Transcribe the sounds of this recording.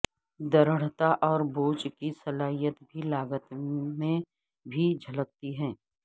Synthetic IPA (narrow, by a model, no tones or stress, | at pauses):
d̪ɐɾəɽ̤t̪aʔɔːɾboːt͡ʃkisɐlaːɦijət̪bʱilaːɡət̪mẽ | bʱid͡ʒʱɐlək̚t̪iɦɛ̃ː